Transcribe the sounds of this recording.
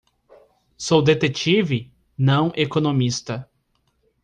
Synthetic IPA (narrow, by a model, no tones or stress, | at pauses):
sowd̪et̪et͡ʃivɪ | nɐ̃w̃ʔekonõmist̪ɐ